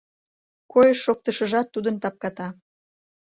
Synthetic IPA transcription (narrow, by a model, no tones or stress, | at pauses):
kojəʃːok̚t̪əʃəʒɑt̪ːud̪ənt̪ɑp̚kɑt̪ɑ